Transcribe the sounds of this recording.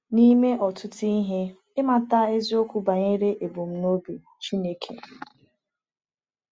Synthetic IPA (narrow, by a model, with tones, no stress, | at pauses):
ni˦me˦ʔɔ˨tʊ˦ti˦ɦe˦ | ɪ˦ma˨ta˦e˦zi˦o˦kʷu˦ba˨ɲe˦ɾe˦ʔe˨bo˨m̩˦no˦bi˨ | t͡ʃi˦ne˨kʰḛ˨